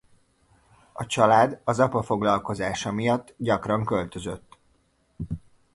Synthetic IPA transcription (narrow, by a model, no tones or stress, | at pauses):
ɒt͡ʃɒlaːd̪ɒzɒpɒfo̞ɡlɒlko̞zaːʃɒmijɒt̪ːɟɒkrɒŋkø̞lt̪ø̞zø̞t̪ː